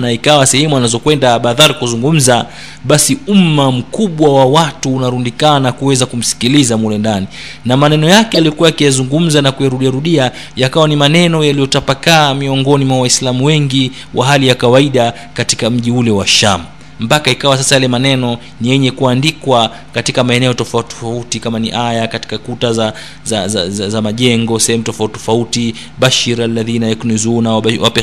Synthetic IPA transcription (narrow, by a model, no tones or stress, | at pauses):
naikawasɛhɛmuanazɔkwɛndaɓaðaɾikuzuŋɡum̩za | ɓasiumam̩kuɓwawawatuːnaɾundikanakuwɛzakum̩si̥kilizamulɛndani | namanɛnɔjakɛjalijɔkuwakijazuŋɡum̩zanakujaɾuɗiaɾuɗia | jakawanimanɛnɔjalijɔtapakaːmiɔŋɡɔnimwawaislamuwɛŋɡi | wʔaɦalijakawaiɗa | katikam̩ʄiulɛwaʃa̰m̩ | mpakaikawas̬asajalɛmanɛnɔ | nijɛɲɛkuandikwa | katikamaɛnɛɔtɔfatɔfautikamaniʔajakati̥kakutaza | zazaazamaʄɛŋɡɔsɛhɛmutɔfauttɔfauti | ɓaʃiɾalːaðinaɛknɔzunawwapɛ